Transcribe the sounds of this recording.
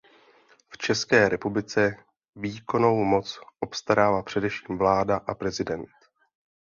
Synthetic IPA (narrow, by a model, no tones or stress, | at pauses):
ft͡ʃɛskɛːɾɛpublɪt͡sɛ | viːko̞no̞wmo̞t͡sʔo̞pst̪aɾaːvapr̝̥ɛdɛfʃiːmvlaːdaʔapɾɛzɪdɛnt̪